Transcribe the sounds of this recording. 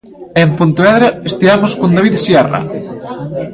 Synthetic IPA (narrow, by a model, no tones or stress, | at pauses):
empunt̪oβɛðɾɐest̪iamoskond̪aβiðsjɛra̰